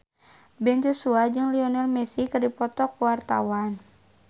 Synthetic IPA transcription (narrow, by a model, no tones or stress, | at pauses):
bɛnd͡ʒɔsuad͡ʒɨŋliɔnɛlmɛsikɨrdipɔt̪ɔkuwart̪a̰wan